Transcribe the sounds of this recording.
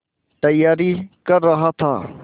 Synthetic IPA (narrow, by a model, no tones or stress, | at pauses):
ʈ̪ɐjːaːɾiːkɐɾːɐɦaːt̪ʰa̰ː